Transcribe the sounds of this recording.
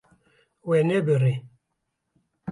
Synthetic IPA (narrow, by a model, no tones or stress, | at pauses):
wɛnɛbəɾe